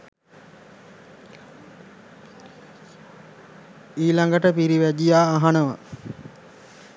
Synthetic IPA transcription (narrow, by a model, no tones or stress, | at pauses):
iːlaŋɡəʈəpiɾiʋæd͡ʒijaːɦanəʋə̰